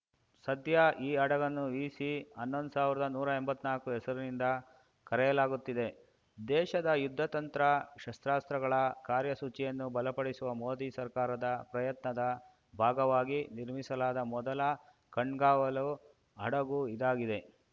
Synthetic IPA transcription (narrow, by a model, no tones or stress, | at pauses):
sɐd̪ʱjɐʔiːɐɽɐɡɐnːuiːsiɐnːond̪usaːʋiɾɐd̪ɐnuːɾɐembɐt̪ːnaːlkuɦɛsɐɾunind̪ɐ | kɐɾɛjɐlaːɡut̪ːid̪e̞ | d̪ɛːʃɐd̪ɐjud̪ʱːɐt̪ɐnt̪ɾɐʃɐst̪ɾaːst̪ɾɐɡɐɭɐkaːɾjɐsut͡ʃijɐnːubɐlɐpɐɽisuʋɐmo̞ːd̪isɐɾkaːɾɐd̪ɐpɾɐjɐt̪nɐd̪ɐ | bʱaːɡɐʋaːɡiniɾmisɐlaːd̪ɐmɔd̪ɐlɐ | kɐɳɡaːʋɐlu | ɐɽɐɡuid̪aːɡid̪e